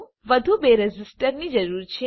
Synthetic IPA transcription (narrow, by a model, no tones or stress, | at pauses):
ʋəd̪ʱubeɾɛd͡ʒisʈəɾnid͡ʒəɾuɾt͡ʃʰe